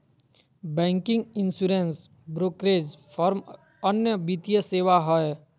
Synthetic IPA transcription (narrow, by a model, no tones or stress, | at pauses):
bɛ̃ːŋkɪ̃ŋɡɪ̃nsuɾens | bɾoːkɾeːd͡ʒfʰɔːɾm | ənjəbit̪ijəseːʋaɦɔe